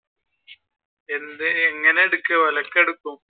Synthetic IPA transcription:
ɛnd̪ɯɛŋɡɐnɛɽɯkːɐʋɐlɐkːɛɽɯkːʊ̃

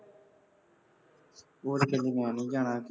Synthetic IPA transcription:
oːɾkeliːmãːnĩːd͡ʒaːɳaːk

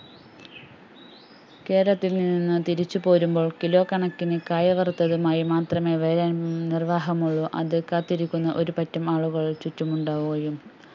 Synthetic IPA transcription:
ke̞ːɾɐt̪ːilnininːɨt̪iɾit͡ɕːupo̞ːɾumbo̞ːɭkilo̞ːkːɐɳɐkːinɨkaːjɐʋɐrt̪ːɐðumaːjimaːt̪rɐme̞ʋeːɾɐnirʋaːɦɐmuɭːuʔɐ̰ðɨkaːt̪ːiɾikʲːunːɐʔo̞ɾupɐtːɐmaːɭuɣɐɭt͡ɕutːumuɳɖaːʋuɐjum

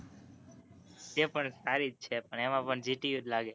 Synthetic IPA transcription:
d͡ʒepəɳsaɾit̪̚t͡ʃʰepəɳemãpəɳd͡ʒiʈiud̪laɡe

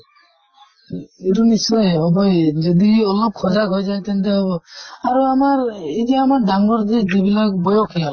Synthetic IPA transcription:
eɾunisɔjeɦɔbɔjd͡ʒɔd̪iɔlɔp̚kʰɔd͡ʒaɡʱɔjd͡ʒaj̃t̪ent̪eɦɔbɔaɾuamaɾid͡ʒiamaɾɖaŋlɔɾd͡ʒed͡ʒebilakbɔjɔkʰial

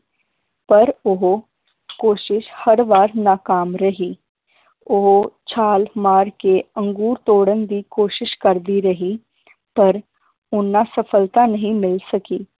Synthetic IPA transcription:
pəɾʊɦo | koːʃɪʃhəɾʋaːɾnaːkaːmɾəɦiː | ʊɦot͡ʃʰaːlmaːɾkeːə̃ŋɡuːɾt̪oːɽənd̪iːkoːʃɪʃkəɾd̪iːɾəɦiː | pəɾ | ʊnːãːsəpʰəlt̪anəɦĩːmɪlsəkiː

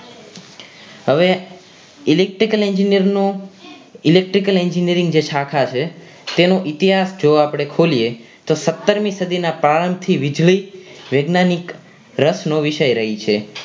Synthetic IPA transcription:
ɦəʋe | ɪlek̚ʈɾikəleɲd͡ʒiniəɾno | ilek̚ʈɾikəlɛɲd͡ʒiniəɾĩŋɡd͡ʒet͡ʃʰakʰat͡ʃʰe | t̪enoʔɪt̪iɦasd͡ʒoapɽ̃ekʰolije | t̪osət̪ːəɾmĩsəd̪ʱinapɾaɾəmb̚t̪ʰiʋɪd͡ʒɭiʋeɡnanik | ɾəsnoʋɪʃəjɾəɦit͡ʃʰe

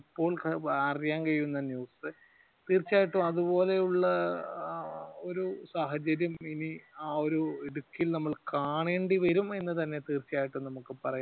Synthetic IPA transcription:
ipːo̞ːɭɐrijaːnkɐɾijunːɐnjuːsɨ | t̪iːrt͡ɕːaːjiʈːumɐðubo̞ːle̞juɭːɐ | o̞ɾusaːɦɐd͡ʑɐɾjɐminiaːo̞ɾueɽukːilnɐmːɐɭkaːɳeːɳɖiʋɐɾume̞nːɨt̪ɐnːe̞t̪iːrt͡ɕːijaːjiʈːumnɐmukːɨpɐrɐja

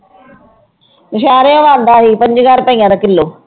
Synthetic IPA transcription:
mɪʃ̬aːɾeõːʋãːnd̪aːɦiːpə̃ɲd͡ʒɡaːɾpəĩːãːd̪aːkɪlːoː

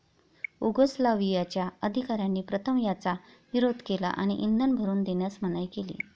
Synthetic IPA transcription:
uɡəslaʋijat͡ɕjaəd̪ʱikaɾjanːiːpɾət̪ʰəmjat͡sa | ʋiɾod̪ʱkela̰ʔa̰ɽ̃iʔind̪ʱənbʱəɾuːnd̪eɳjasm̤əñajkelḭː

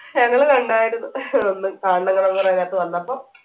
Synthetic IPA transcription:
ɲɐŋːɐɭkɐɳɖaːjiɾunːuonːɨkaːɳɖɐŋːɐɭoŋːɐnajaːt̪ːɨʋɐnːɐpːom

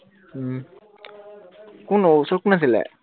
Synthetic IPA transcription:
kunosokunasilɛ̰

